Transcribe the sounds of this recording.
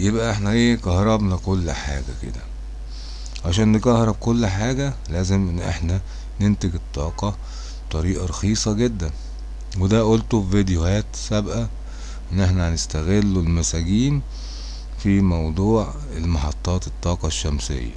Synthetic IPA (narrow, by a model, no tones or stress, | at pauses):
jebʔæʔeħnæʔeːkɑhɾˤɑbnɑkolːħa̰ːɡæ̰kḛd̪æ̰ | ʕaʃæːnːekɑhɾˤɑb̚kolːħaːɡælæːzemʔenːʔeħnæ | nent̪eɡet̪ˤːɑːqɑ | bt̪ˤɑɾiːʔɑɾˤɑxiːsˤɑɡed̪ːæn | wed̪æʔolt̪ovid̪ejohæːt̪sæbʔæ | ʔenːʔeħnænest̪æɣelːolmæsæɡiːn | fimɑwd̪ˤuːʕ | elmɑħɑt̪ˤːɑːt̪e̥t̪ˤːɑːqɑʃːæmsḛjːæ̰